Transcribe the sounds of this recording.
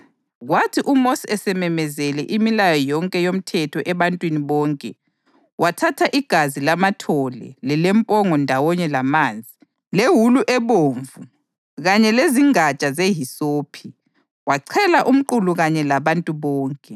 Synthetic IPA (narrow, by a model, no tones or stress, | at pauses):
ɣwatʰiʔumosiɛsɛmɛmɛzɛlɛʔimilajɔjɔŋkʼɛjom̩tʰɛtʰɔʔɛβantʼwiniβɔːŋkʼɛ | watʰatʰaʔiɡ̥ʱazilamatʰɔlɛ̰lɛlɛmpʼɔŋɔndʱawɔɲɛlamaːnd͡zʱi | leɦuluʔɛβoːɱvu | ɣaɲɛleziŋat͡ʃʼazeɦisoːpʰi | waǀʰɛlaʔum̩ǃuluɣaɲɛlaβantʼuβɔːŋkʼɛ